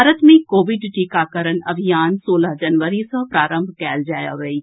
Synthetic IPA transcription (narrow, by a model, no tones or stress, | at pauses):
aːɾət̪mẽkoːʋɪɖʈiːkakəɾənɐ̰bʱijaːnsoːlaɦd͡ʒɐnʋəɾisə̃pɾaːɾə̃mbʱkɛːld͡ʒaːja̰ʋəiː